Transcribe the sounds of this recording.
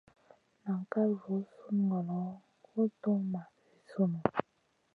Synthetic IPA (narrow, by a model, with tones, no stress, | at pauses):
na˨ŋ˨ka˦vo˨˦su˦n˨ɡɔ˨lɔ˨˦ | o˦to˦ŋma˨ | e˨su˦nu˨